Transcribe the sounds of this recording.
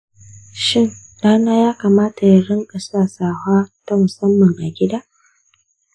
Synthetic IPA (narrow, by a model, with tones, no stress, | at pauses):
ʃɪ˦˨ŋ | ɽaː˦naː˦jaː˦kaː˨maː˦ta˨ja˦ɽɪ˦ŋkʼɐ˨saː˦saː˨haː˦ta˦mʊ˨sɐ˦mːɐ˨ŋʔa˨ɡʲɪ˦daː˦